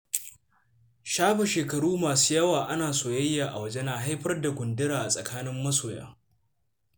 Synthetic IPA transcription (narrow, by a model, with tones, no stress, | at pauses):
ʃaː˦ɸe˨ʃeː˨kɐ˨ɽuː˦maː˨su̥ː˦jɐ˦waː˨ʔa˦naː˨soː˨jɐ˦jːaː˨ʔa˨wɐ˦d͡ʒe˦na˨ɦa˦jɸɐ˦rda˨ɡʷʊ˨ndɪ˦ɾaː˨ʔa˨sʼɐ˨kʰaː˦nɪ˦mːɐ˦soː˨ja̰ː˦